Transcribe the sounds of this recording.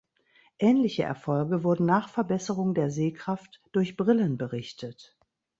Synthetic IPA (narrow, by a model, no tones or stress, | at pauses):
ʔɛːnlɪçəʔɛ̰ɐfɔlɡəvʊɐdn̩naːχfɛɐbɛsəʁʊŋdeːɐzeːkʁ̥aftd̥ʊɐçb̥ʁɪlənbəʁɪçtət